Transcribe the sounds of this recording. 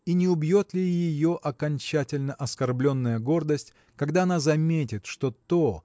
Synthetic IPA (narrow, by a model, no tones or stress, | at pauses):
inʲɪʊbjo̞t̪lʲɪjɪjo̞ʔɐkɐnʲt͡ɕætʲɪlʲnəʔɐskɐrblʲo̞nːəjəɡo̞rd̪əsʲtʲ | kɐɡd̪aɐnazɐmʲetʲɪt̪ʂt̪o̞t̪o